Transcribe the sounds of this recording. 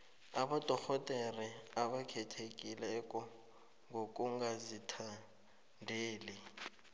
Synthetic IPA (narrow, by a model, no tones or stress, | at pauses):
abadʱʼɔxɔtʼeriaɓakʰɛtʰekʼilɛɛkʼɔ | ŋɡʱokʼuŋɡazitʰa | ndʱeːlɪ